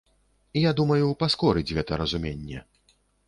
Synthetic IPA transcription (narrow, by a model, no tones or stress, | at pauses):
ijad̪umɐjupaskɔɾɨd͡zʲɣɛt̪ɐɾɐzumʲenʲːɛ̰